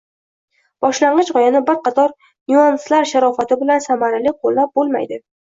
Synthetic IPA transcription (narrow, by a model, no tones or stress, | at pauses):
b̥ɒʃlaɴɢɨt͡ʃʁɒjanɪbɪɾqɑt̪ʰɒɾ | nuanslaɾʃaɾɒfat̪ʰɪbɪlansamaɾalɪqʰolːap̚bolˠma̰jd̪ɪ